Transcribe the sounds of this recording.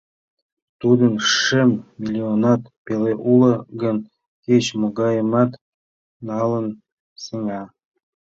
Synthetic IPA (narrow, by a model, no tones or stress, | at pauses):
t̪ud̪ə̆nʂemːʲilʲionɑt̪peleʔulə̆ɡə̆n | ket͡ɕmoɡɑjəmɑt̪ | nɑlə̆n | seŋɑ